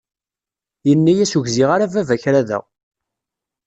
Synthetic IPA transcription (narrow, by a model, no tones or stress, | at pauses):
jənːæjæsuʝziʁaɾavævæçɾæðæ̰ʁ